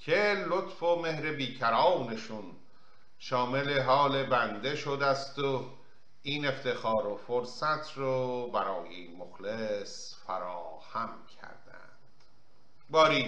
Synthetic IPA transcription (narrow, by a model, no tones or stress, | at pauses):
cʰelot̪fome̞hɾe̞biːcʰæɾɒːwne̞ʃun | ʃɒːme̞le̞ɦɒːle̞bænd̪e̞ʃod̪æst̪o | iːne̞ft̪e̞xɒːɾofoɾsæt̪ʰɾɔbæɾɒːjemoxles | fæɾɒː | hæmcʲʰæ̰ɾd̪æ̰nd̪̥ | bɒːɾiː